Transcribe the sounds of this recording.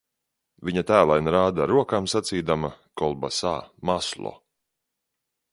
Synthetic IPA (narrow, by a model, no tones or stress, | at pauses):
viɲat̪æːlˠajnɾaːd̪aɾuɔkaːmsat̪siːd̪amakɔlˠbasa̰ːmaslˠɔ̰